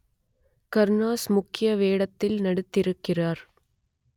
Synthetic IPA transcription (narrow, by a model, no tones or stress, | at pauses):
kɐɾnaːsmʊkːɪjɐʋeːɽɐt̪ːɪlnɐɽɯt̪ːɪɾɯkːɪraːɾ